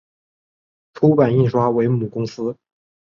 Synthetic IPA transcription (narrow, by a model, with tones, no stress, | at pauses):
ʈ͡ʂʰu˥pa˨˩ni˥˩ʂwa˥we˧˥ɪmu˨˩kʊ˥ŋsɹ̩˥